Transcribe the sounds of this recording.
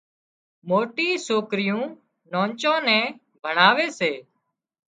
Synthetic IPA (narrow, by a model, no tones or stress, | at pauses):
moːʈiːsoːkɾɪjũː | nõːnt͡ʃãːnɛ̃ː | bʱəɳaːʋeːseː